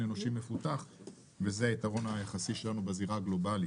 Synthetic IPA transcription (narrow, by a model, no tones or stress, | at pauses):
nenoʃimːe̞fut̪aχ | vezeait̪aʁo̞najaχasiʃe̞lanubeziʁaɡlo̞bali